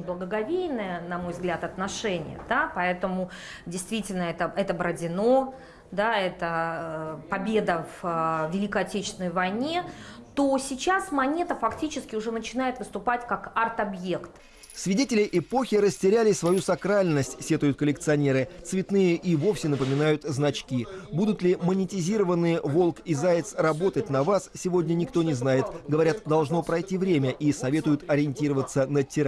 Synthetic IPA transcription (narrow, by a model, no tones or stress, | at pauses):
ɪblˠəɡəɡɐvʲejnɨjənɐmo̞jvzɡlʲat̪ɐt̪nɐʂɛnʲɪ̰jə̰d̪apɐɛt̪əmʊ | dʲɪjst̪vʲitʲɪlʲnəɛt̪əʔɛt̪əbɾədʲɪno̞ | d̪aɛt̪ə | pɐbʲed̪əvvʲɪlʲikəɐtʲet͡ɕɪst̪ʲɪnəjvɐjnʲe̞t̪osʲɪt͡ɕasmɐnʲe̞t̪əfɐktʲit͡ɕɪskʲɪʊʐɛnət͡ɕɪnajɪt̪vɨst̪ʊpatʲkakart̪ɐbje̞kt̪ | svʲɪdʲetʲɪlʲɪʔɪpo̞xʲɪɾəsʲtʲɪɾʲælʲɪsvɐjusɐkɾalʲnəsʲtʲsʲe̞t̪ʊjʊt̪̚kəlʲɪk̚t̪sɨɐnʲe̞ɾɨt̪svʲɪt̪nɨjəʔivo̞fsʲɪnəpəmʲɪnajʊt̪znɐt͡ɕkʲibud̪ʊt̪lʲɪmənʲɪtʲɪzʲiɾəvənːɨjəvo̞lˠkɪzajɪt̪srɐbo̞t̪ətʲnɐvassʲɪvo̞dʲnʲənʲɪkt̪o̞nʲɪznajɪt̪ɡəvɐɾʲat̪d̪ɐlˠʐno̞pɾɐjtʲivɾʲemʲəʔisɐvʲe̞t̪ʊjʊt̪ɐɾʲɪɪnʲtʲiɾəvət̪sːənətʲɪɾa